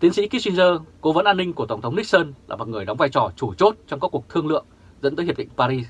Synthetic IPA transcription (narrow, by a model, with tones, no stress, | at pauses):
t̪i˨˦ənsḭ˧˥ki˨˦˥swi˧nzəː˧ko˨˦və˨˦nʔaː˧nːi˧ŋku˧˩ət̪ə˧˩ŋ͡mtʰə˨˦wŋ͡mni˦˥k̚sə˧nlaː˨˩mɔ˨˩t̚ŋɨ˨˩əjɗa˨˦wŋ͡mvaː˧jt͡ɕɔ˨˩t͡ɕu˧˩t͡ɕo˦˥t̚t͡ɕɔ˧wŋ͡mkːku˨˩ək̚t̪ʰɨ˧əŋlɨ̰˧˨əŋ | zə̰˧˥nt̪əː˨˦jɦ̚ɗḭ˧˨ŋpaː˧ɾi˧